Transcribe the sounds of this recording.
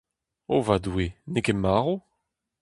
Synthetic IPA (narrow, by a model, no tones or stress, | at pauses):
ovadwenekemaːʁo